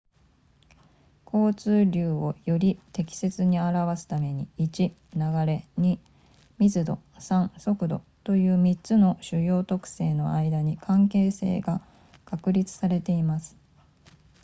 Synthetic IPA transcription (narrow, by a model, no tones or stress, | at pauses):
kʰo̞ːt͡sɨːɾʲɯːo̞jo̞ɾʲit̪e̞kʲi̥se̞t͡sɨɲ̟iaɾaβasɨ̥t̪ame̞ɲ̟iit͡ɕi | naɡaɾe̞ɲ̟i | mʲizɨd̪o̞ | sãɰ̃so̞kɯ̟d̪o̞̰ | t̪o̞jɯ̟ːmʲitt͡sɨno̞ɕɨjo̞ːt̪o̞kɯ̟̥se̞ːno̞̰aid̪aɲ̟ikʰãŋke̞ːse̞̰ːɡa | kakɯ̟ɾʲit͡sɨ̥saɾe̞t̪e̞imasɨ̥